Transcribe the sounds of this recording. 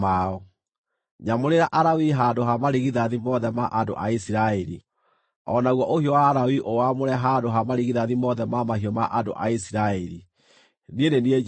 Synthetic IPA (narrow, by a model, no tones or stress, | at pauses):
aɔ | ɲamoɾeɾaʔaɾawiɦandoɦamaɾiɣiðaðimɔðɛmaʔado̰ʔa̰isiɾaɛɾi | ɔnaɣwɔʔohiɔwaːɾawiʔowamoɾɛɦandoɦamaɾiɣiðaðimɔðɛmamaɦiɔmaʔado̰ʔa̰isiɾaɛɾi | niendenie